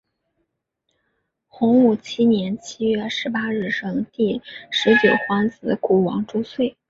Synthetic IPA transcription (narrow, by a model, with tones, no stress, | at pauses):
xʊ˧˥ŋu˨˩t͡ɕʰi˥njɛ˧˥nt͡ɕʰi˥ɥɛ˥˧ʂɻ̩˧˥pa˥ɻɻ̩˥˩ʂɤ˥ŋt̪i˥˩ʂɻ̩˧˥t͡ɕjo˨˩ʊxwɑ˥ŋt͡sɹ̩˧˥ku˨˥˩wɑ˧˥ŋʈ͡ʂu˥swe˥˩ɪ